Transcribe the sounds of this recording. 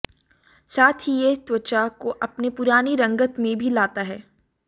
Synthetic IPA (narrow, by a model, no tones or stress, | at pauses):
saːt̪ʰijet̪wət͡ʃakoʔɐpnepʊɾaːniɾɐ̃ŋɡət̪mẽbʱilaːt̪aɦɛː